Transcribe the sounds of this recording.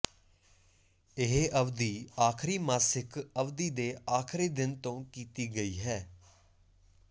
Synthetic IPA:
ɪɦeʔəʋd̪iːaːkʰɾiːmaːsɪkəʋd̪iːd̪eːaːkʰɾiːd̪ɪnt̪õːkiːt̪iːɡəiːɦɛː

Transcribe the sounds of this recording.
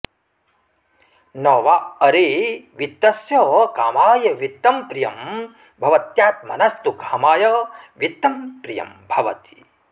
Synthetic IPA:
nɔːʋaɐɾiʋit̪ːɐsjɐkaːmaːjɐʋit̪ːɐmpɾijɐm | bʱɐʋɐt̪jaːt̪̚mɐ̰nɐst̪ukaːmaːjɐʋit̪ːɐmpɾijɐ̰mbʱɐʋɐ̰t̪i̥

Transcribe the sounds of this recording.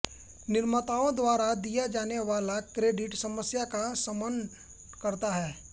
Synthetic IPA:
nɪɾmət̪aːõd̪waːɾad̪ijad͡ʒaːneʋaːlakɾeːɖɪʈsɐməsjakasɐmən | kɐɾt̪aɦɛː

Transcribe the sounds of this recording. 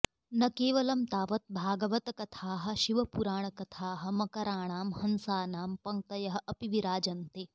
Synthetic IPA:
nɐkeːʋɐlɐmt̪aːʋɐt̪̚bʱaːɡɐʋɐt̪ɐkɐt̪ʰaːɦɐ̆ʃiʋɐpuɾaːɳ̃ɐkɐt̪ʰaːɦɐ̆mɐkɐɾaːɳaːmhɐnsaːnaːmpɐŋk̚t̪ɐjɐɦɐ̆ʔɐpiʋiɾaːd͡ʒɐnt̪e

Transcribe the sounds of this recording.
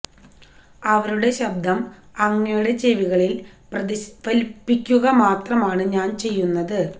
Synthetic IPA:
ɐʋɐɾuɽe̞ɕɐb̚d̪ʱɐmɐŋːɐjuɽed͡ʑeʋiɣɐɭil | pɐpɐlpːikʲːuɣɐmaːt̪rɐmaːɳɨɲaːnt͡ɕe̞jːunːɐðɨ

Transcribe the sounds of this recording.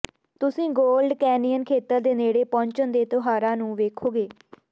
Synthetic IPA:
t̪ʊsĩːɡoːlɖkɛːnijənkʰeːt̪əɾd̪eːneːɽeːpɔ̃ːɲt͡ʃənd̪eːt̪ʊɦaːɾãːnũːʋeːkʰoːɡeː

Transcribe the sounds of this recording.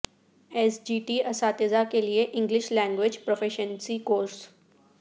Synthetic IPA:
ɛsd͡ʒiːʈiɐsaːt̪ezakelieʔɪ̃ŋɡlɪʃlɛ̃ːŋɡʋɪd͡ʒpɾofʰeʃənsikoːɾs

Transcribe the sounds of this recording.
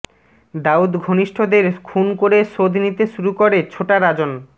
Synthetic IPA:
d̪aud̪ɡʱoniʃʈʰod̪eɾkʰunkoɾeʃod̪ʱnit̪eʃuɾukoɾet͡ɕʰoʈaɾad͡ʑon

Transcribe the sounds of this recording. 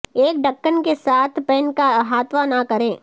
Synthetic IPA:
eːkɖɐkːənkesaːt̪ʰpɛːnkaɦaːt̪ʋanakɐɾẽː

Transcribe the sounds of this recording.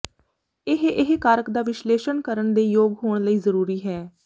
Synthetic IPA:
ɪɦɪɦkaːɾəkd̪aːʋɪʃleːʃənkəɾəɳd̪eːjoːɡɦoːɳ̃ləiːzəɾuːɾiːɦɛː

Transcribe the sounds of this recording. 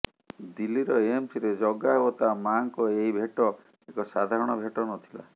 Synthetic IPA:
d̪ilːiɾɔeemsiɾed͡ʒɔɡaewɔt̪amaŋkɔeɦibʱeʈɔ | ekɔsad̪ʱaɾɔɽ̃ɔbʱeʈɔnɔt̪ʰi̥la̰

